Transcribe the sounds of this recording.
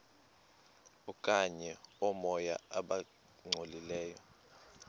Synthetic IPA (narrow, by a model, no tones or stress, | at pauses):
ukʼaɲɛɔmɔjaaɓa | ŋ͡ǀʱolilɛːjɔ